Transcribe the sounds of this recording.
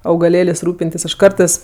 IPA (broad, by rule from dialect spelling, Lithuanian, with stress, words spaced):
ɐʊɡɐˈlʲeːlʲeːsʲ ˈruːpʲɪnʲtʲɪs ˈɐʃ ˈkɐrtɜs